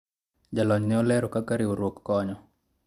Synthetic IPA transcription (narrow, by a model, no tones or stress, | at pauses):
d͡ʒalɔɲnɛɔlɛɾokakaɾioɾwokːɔɲɔ